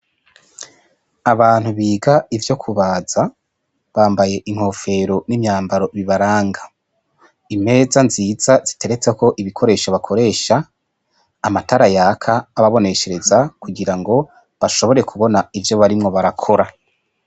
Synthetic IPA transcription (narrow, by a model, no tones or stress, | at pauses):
aβaːn̥huβiːɡaivjo̞kʰuβaːz̥a | βaːmbaje̞ʔiŋ̥ho̞ːfe̞ɾo̞nimɲaːmbaɾo̞βiβaɾaːŋɡa | ime̞ːzanziːzazitʰe̞ɾe̞t͡seko̞ʔiβikʰo̞ɾe̞ːʃoβakʰo̞ɾe̞ːʃaː | mataɾajaːkʰaːβaβo̞ne̞ke̞ɾe̞zakuɡiɾaŋɡo̞ | βaʃo̞βo̞ɾe̞kʰuβo̞naivjo̞βaɾimŋo̞βaɾakʰo̞ɾa